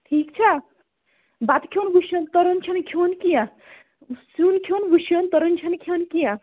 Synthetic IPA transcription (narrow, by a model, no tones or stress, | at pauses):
ʈʰikt͡ʃʰa | bat̪kʰonɡʱuʃjont̪ɔɾont͡ʃʰɐnkʰionkijã | sunkʰonɡuʃjont̪ɔɾont͡ʃʰɐnkʰonkijã